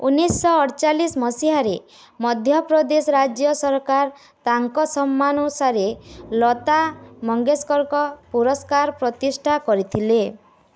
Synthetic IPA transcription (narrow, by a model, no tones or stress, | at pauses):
ṵnːisːɔːɽt͡ʃalismɔsiɦaɾe | mɔd̪ʱjɔpɾɔd̪esɔɾad͡ʒjɔsɔɾkaɾ | t̪aŋkɔsɔmːanusaɾelɔt̪amɔŋɡeskɔɾkɔpuɾɔskaɾpɾɔt̪isʈʰakɔɾit̪ʰile